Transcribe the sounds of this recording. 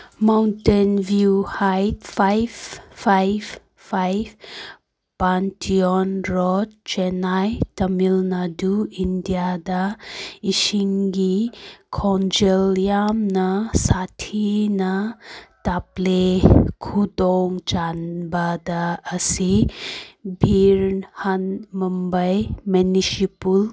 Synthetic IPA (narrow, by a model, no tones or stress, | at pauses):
mawntenvjuhajtfajffajv | fajf | pantiɔnɾɔd̪̚t͡ʃɛnajt̪əmilnaduind̪jad̪aiʃiŋɡikʰɔnd͡ʒeljamnasatʰinataplekʰudɔŋd͡ʒanbadaːsi | bʱiɾnhanmumbɐjmɛnisipul